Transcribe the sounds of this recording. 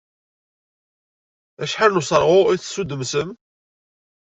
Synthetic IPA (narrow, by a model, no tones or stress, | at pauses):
æʃħalnusˤəɾˤʁʊiθsud̪əmsəm